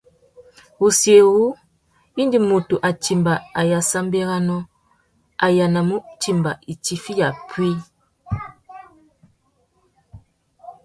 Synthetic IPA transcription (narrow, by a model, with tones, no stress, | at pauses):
u˨sje˨ɣu˦ | i˦ndi˨mo˨tu˨ʔa˨ti˨mba˨a˨ja˨sa˦m˦be˦ɣa˦nɔ˦ | a˨ja˨na˨mu˦ti˦mba˨i˨ti˦fi˦ja˨pʰwi˦